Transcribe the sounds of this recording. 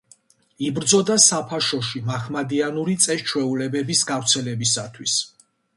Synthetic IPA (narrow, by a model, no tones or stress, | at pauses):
ibɾd̪zɔd̪asapʰaʃɔʃimaχmad̪ianuɾit̪sʼɛst͡ʃʰwɛulɛbɛbisɡavɾt̪sʰɛlɛbisat̪ʰwis